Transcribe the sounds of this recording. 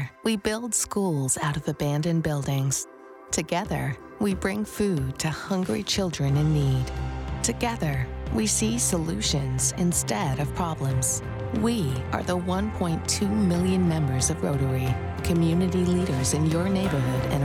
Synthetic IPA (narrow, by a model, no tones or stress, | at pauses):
wibɪlˠd̥skulˠz̥aʊɾʌvɨbæ̃ndɨ̃nbɪlˠdɪ̃ŋz̥ | tʰɨɡɛðə̰˞ | wibɹɪ̃ŋfʉd̚tʰɨhʌ̃ŋɡɹit͡ʃʰɪlˠdɹɨ̃nɨ̃nːid̥tʰɨɡɛðə˞wisisəlʉʃɨ̃nz̥ɨ̃nstɛɾʌv̥pʰɹ̥ɑblə̃mz̥ | wiʔə̰˞ðəwʌ̃npʰɔ̃ɪ̃ntʰʉmɪlˠjɨ̃nmɛ̃mbə˞zʌvɹo̰ʊɾə˞i | kʰɨmjʉnɨɾiliɾə˞zɨ̃njə˞neɪbə˞ɦʊɾɨ̰̃n